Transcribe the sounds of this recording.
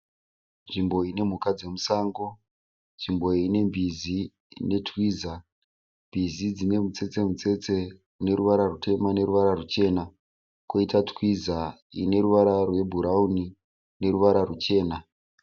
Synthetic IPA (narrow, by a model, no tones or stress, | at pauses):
nʐimbo̞ine̞m̤ukad͡ze̞musaːŋɡo | nʐimbo̞ine̞mbizi | ne̞twiːza | mbizid͡zine̞mut͡se̞t͡se̞mut͡se̞t͡se̞ | une̞ɾuʋaɾarutʰe̞mane̞ɾuʋaɾarut͡ʃe̞ːna | koitatwiza | ḭne̞ɾuʋaɾarwe̞bʱuɾauni | ne̞ɾuʋaɾarut͡ʃe̞ːna